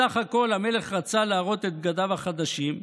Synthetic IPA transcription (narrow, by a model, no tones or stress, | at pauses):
aχako̞lame̞le̞χʁat͡salaːʁo̞t̪e̞t̪̚ɡad̪avaχad̪aʃim